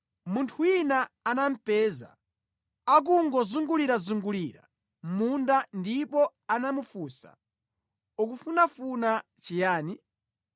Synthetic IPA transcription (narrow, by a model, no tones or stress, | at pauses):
muntʰuinaːnam̩pɛːza̰ | ak̬uŋɡɔzuŋɡuliɾazuŋɡuliɾa̰ | mundandipɔanamufusa̰ | ukufunafuna | t͡ʃijaːni